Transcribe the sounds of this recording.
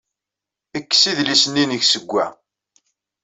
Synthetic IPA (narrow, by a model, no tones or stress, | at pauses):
əkːsiðlisənːinəʝsəɡʷːæ̰